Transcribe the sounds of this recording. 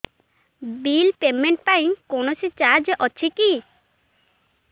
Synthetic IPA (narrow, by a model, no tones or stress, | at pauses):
bilpemeɳʈpaĩkonosit͡ʃad͡ʒeʔɔt͡ʃʰiki